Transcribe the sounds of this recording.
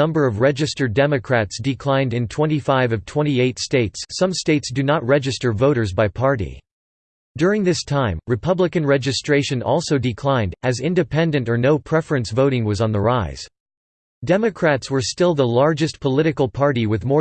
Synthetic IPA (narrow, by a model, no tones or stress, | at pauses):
ʌ̃mbə˞ʌvɹɛd͡ʒɨstə˞dɛmɨkʰɹ̥ætsd̥ɨkʰl̥ãɪ̃ndɨ̃ntʰw̥ɛ̃ɾ̃ifaɪvʌv̥tʰw̥ɛ̃ɾ̃ieɪtsteɪtsːʌ̃msteɪtsd̥ɨnət̚ɹɛd͡ʒɨstə˞voʊɾə˞zbaɪpʰɑɹɾḭ | d̥ʊɹɪ̃ŋðɪstʰãɪ̃mɹɨpʰʌblɨkɨ̃nɹɛd͡ʒɨstɹ̥eɪʃɨ̃nɔ̰lˠsoʊdɨkʰl̥ãɪ̃ndɨzɪ̃ndɨpʰɛ̃ndɨ̃ntə˞noʊpʰɹ̥ɛfɹɨ̃nsvoʊɾɪ̃ŋwʌzn̩ðə˞aɪz̥ | d̥ɛmɨkʰɹ̥ætswə˞stɪlˠðəlɑɹd͡ʒɨst̚pʰəlɪɾɨkl̩ˠpʰɑɹɾiwɨðmɔ